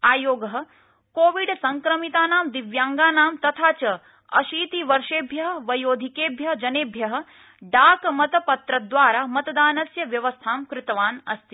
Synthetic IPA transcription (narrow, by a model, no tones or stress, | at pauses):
aːjoːɡɐɦɐ̆ | koːʋiɖsɐŋkɾɐmit̪aːnaːmd̪iʋjaːŋɡaːnaːmt̪ɐt̪ʰaːt͡ʃɐ | ɐ̰ʃiːt̪iʋɐɾʂeːbʱjɐɦɐ̆ʋɐjoːd̪ʱikeːbʱjɐɦd͡ʒɐneːbʱjɐɦɐ̆ | ɖaːkmɐt̪ɐpɐt̪ɾɐd̪ʋaːɾaːmɐt̪ɐd̪aːnɐsjɐʋjɐʋɐst̪ʰaːmkɾɪt̪ɐʋaːnɐst̪ʰi